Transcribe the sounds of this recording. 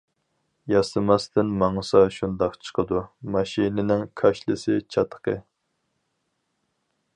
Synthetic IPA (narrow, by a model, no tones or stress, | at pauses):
jɑsɨmɑst̪ɪnmɑŋɨsɑʃund̪ɑqt͡ʃʰə̥qʰəd̪umɑʃinɪnɪŋkʰɑʃlˠɨsɪt͡ʃʰɑt̪ʰːə̥qʰə